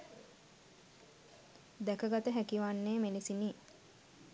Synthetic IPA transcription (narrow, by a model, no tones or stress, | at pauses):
d̪ækəɡat̪əɦækiʋanːeːmelisini